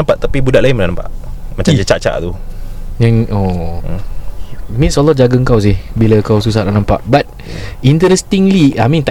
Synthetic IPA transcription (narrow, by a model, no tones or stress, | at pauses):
ampaʔ̚t̪apibudaʔlaɪnmənanampa̰ʔmat͡ʃamd͡ʒət͡ʃa̰ʔt͡ʃa̰ʔt̪ujaŋo | mĩnsolɔd͡ʒaɡəŋkaws̬ihbilakawsus̬aʔnaʔnãmpa̰ʔbat̪̚ | int̪əɾɛst̪iŋliamĩnt̪a